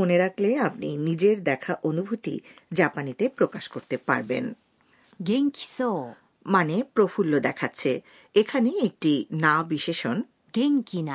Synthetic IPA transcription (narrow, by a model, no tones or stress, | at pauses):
oneɾakleap̚nḭnid͡ʑeɾd̪ɛkʰaʔonubʱut̪ḭd͡ʑapanit̪epɾokaʃkoɾt̪epa̰ɾbḛn | ɡeŋkʲi̥so | manepɾofʰulːod̪ɛkʰatːɕʰe | ekʰaneek̚ʈinaobiʃeʃon | ɡ̥eŋkina